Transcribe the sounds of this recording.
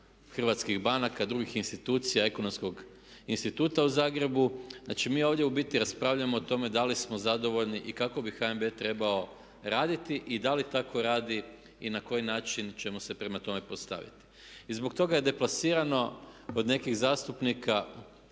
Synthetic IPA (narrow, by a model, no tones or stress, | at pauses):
xr̩ʋat̪skiɣbanakad̪ɾuɡixinst̪it̪uːt̪sijae̞kono̞msko̞ɡ | inst̪it̪uːt̪auzaːɡɾe̞buzna̰ːt͡ʃimiːo̞ːʋd̪je̞ubit̪iɾaspɾaːʋʎaemoːt̪o̞me̞d̪alismo̞zad̪o̞ʋo̞ʎniʔikako̞bixaembet̪ɾe̞bao̞ | ɾaːd̪it̪iʔid̪alit̪akʰo̞ɾaːd̪i | inako̞jinaːt͡ʃint͡ʃe̞mose̞pɾe̞mat̪o̞me̞po̞st̪a̰ʋḭt̪i̥ | izbok̚t̪o̞ɡaje̞d̪e̞plˠasiːɾano̞od̪ne̞kiɣzaːst̪upnika